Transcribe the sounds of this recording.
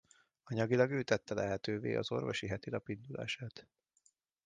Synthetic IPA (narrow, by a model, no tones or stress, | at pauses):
ɒɲɒɡilɒɡøːt̪ɛt̪ːɛlɛɦɛt̪øːvḛːʔɒzo̞rvoʃiɦɛt̪ilɒpind̪ula̰ːʃaːt̪